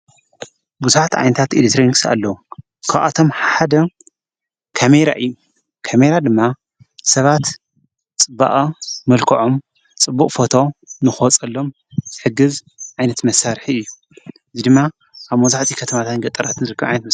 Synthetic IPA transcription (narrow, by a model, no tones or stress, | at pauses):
buzuħat̪ʰiʕa̰jnɐt̪ʰat̪ilekt̪ʰɾoniksa̰lːɐwu | kʰa̰ʔa̰t̪ʰo̞mħħad̪ɐ | kʰame̞ɾa̰ʔɨjːu | kʰame̞ɾad̪ɨmːa | sɐβat̪ | t͡sʼɨba̰ʔʼɐmɐlkʰɐʕom | t͡sʼɨbːukʼfo̞t̪ʰo̞nɨxot͡sʼɐlːo̞m | zɨħɨɡɨz | ʕajnɐt̪mɐsaɾħiɨjːu | ɨzid̪ɨmːa | ʔaβmɐzaħt̪ʰikʰɐt̪ʰɐmat̪ʰat̪nɡɐt̪ʼɐɾat̪ʰɨnzɨɾɨkʰːɐβʕa̰jnɐt̪mɐ